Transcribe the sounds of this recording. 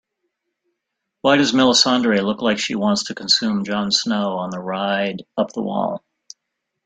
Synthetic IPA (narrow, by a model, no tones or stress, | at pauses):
waɪɾʌzmɪlˠəsɑ̃ndɹilʊklaɪkʃiwɑ̃ntstʰɨkʰn̩sʉ̃md͡ʒɑ̃n̥snoʊə̃nðəɹaɪɾʌp̚ðə̰wɔ̰lˠ